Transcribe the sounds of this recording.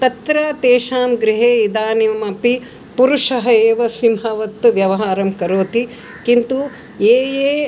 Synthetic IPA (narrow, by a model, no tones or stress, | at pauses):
t̪ɐt̪ɾɐt̪eːʃaːmɡɾiɦeːid̪aːnimɐpi | puɾuʂɐɦɐeːʋɐsimɦɐʋɐt̪ːʋjɐʋɐɦaːɾɐmkɐɾoːt̪i | kint̪u | eːjeː